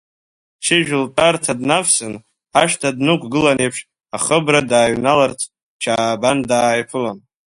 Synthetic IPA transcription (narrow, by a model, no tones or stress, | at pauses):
t͡ʃʰɪʒʒᶣʊltʼartʰadnafsɨn | aʃtʰadnɨkʷʰɡɨlanejpʰʂ | aχəbradaːɥnalart͡sʰ | t͡ʃʰaːbandaːjpʰɨlan